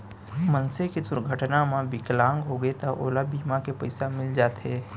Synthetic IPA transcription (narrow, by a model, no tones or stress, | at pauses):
mənsekid̪ʊɾɡʱəʈnamãbɪklãːŋɡɦoɡəet̪aʔoːlabiːmakepɐɪsamɪld͡ʒaːt̪ɦɛː